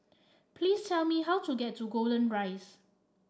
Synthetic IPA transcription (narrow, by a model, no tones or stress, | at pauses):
pʰliːstʰɛlmiɦawtuɡɛtʰːuɡoldə̃nɹaɪs